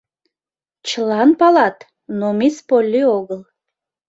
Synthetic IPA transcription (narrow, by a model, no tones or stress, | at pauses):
t͡ʃlˠɑnpɑlˠɑt̪ | nomispolʲːioɡəlˠ